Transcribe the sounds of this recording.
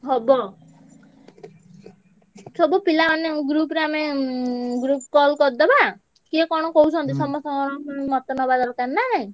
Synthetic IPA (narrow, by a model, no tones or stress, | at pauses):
ɦɔbɔ | sɔbupilaɔnːeɡɾupɾame | ɡɾup̚kɔlkɔɾd̪ɔba | kiekɔɽ̃ɔkɔut͡ʃʰɔnt̪isɔmːɔsɔŋɔɾɔmɔt̪ɔnɔbad̪aɾɔk̪annːaaɦĩ